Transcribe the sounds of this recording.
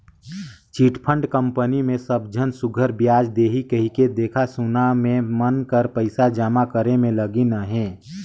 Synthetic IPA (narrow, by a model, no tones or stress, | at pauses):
t͡ʃiːʈpʰə̃ɳɖkə̃mpənimẽsəb̚d͡ʒʱənsʊɡʱəɾbjaːd͡ʒd̪eːɦikəɦiked̪eːkʰasunamẽmənkəɾpəɪsad͡ʒaːmakəɾemẽləɡinəɦɛ̃ː